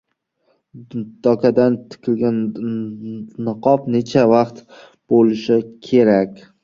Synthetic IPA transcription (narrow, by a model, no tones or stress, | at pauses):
d̪̥ɒkʰʲad̪ant̪ʰɪ̥kʲʰɪlɡʲan | nɨqʰɒpne̞t͡ʃʰavaqt̪ | b̥olɪʃɪkʲʰe̞ɾakʲ